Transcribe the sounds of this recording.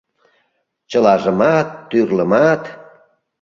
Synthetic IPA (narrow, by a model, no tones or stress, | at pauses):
t͡ɕəlɑʒəmɑt̪ːyrləmɑt̪